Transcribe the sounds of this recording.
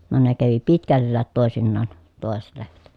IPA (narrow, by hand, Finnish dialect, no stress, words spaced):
no ne kæʋi pitkælːæːt toˑesinːɑːn toˑeset lehmæt